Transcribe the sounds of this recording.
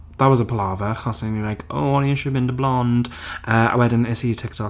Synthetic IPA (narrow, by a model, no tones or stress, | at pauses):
ðəʔwɒzəpʰəlaːvəxɔsɪ̃ŋəlaɪko̰ʊwɔ̃nəjəʃəbɪ̃ntəblɔ̃nd̥ʔəa̰ɪwɛdɪ̃n̩ɪsitʰɪk̚tʰɒk